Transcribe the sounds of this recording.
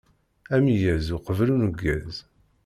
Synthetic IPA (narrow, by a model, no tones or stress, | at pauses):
æmijæzuqəvlunuɡːæz